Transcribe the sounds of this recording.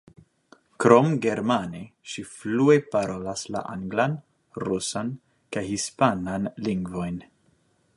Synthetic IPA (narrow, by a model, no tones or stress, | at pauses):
kɾo̞mɡe̞ɾmaneʃiflue̞paɾo̞lasla̰ʔaŋɡlan | ɾusan | kajɦispananliŋɡvo̞jn